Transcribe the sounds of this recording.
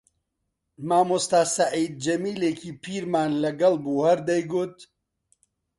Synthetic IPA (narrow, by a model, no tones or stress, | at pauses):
maːmust̪aːsaʕiːd̪̚d͡ʒɐmiːleːkʰiːpʰiːɾmaːnlɐɡɐlbuːhɐɾd̪ɛjɡʊt̪